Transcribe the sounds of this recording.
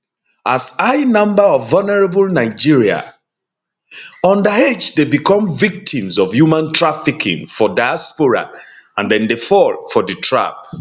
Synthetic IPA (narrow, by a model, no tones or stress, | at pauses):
asaɪnʌ̃mbəɔvːɔlnɛɹabəlnaɪd͡ʒiɹia̰ | ɔ̃ndəed͡ʒdebikʰɔ̃mvik̚tʰĩmzɔvjumãntʰɹafikʰḭ̃ŋfɔdaɪjaspɔɹa̰ãndɛ̃ndefɔlfɔdətʰɹa̰p̚